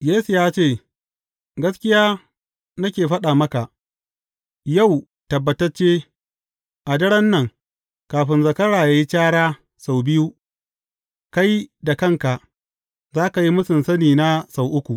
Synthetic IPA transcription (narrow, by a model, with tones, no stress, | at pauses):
jeː˦su˨jaː˦t͡ʃeː˦˨ | ɡɐ˦skʲɪ˦jaː˦ | nɐ˦kʲeː˨ɸɐ˦ɗa˨mɐ˦ka˨ʔ | ja˦˨w | tɐ˨bːɐ˨tɐ˦rt͡ʃeː˦ | ʔa˨dɐ˦ɽɐ˦nːɐ˨ŋ | kaː˨ɸɪ˦nzɐ˨kɐ˦ɽaː˨jaː˦ji˦t͡ʃaː˦ɽaː˦ | sa˨wbɪ˦ju˦ | ka˦jda˨kɐ˦˨ŋka˨ʔ | zaː˦ka˨ji˦mʊ˦sɪ˨nsɐ˦niː˨na˦sa˨wʔʊ˦kʷu˨ʔ